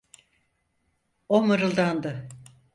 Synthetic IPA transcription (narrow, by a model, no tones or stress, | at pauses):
omɯɾɯlˠd̪and̪ɯ